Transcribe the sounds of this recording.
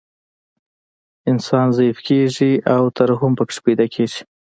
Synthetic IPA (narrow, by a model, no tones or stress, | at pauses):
ɪnsɑnzaifkeʐiʔawt̪əɾɦʊmpəkʂbed̪akʰeʒi̥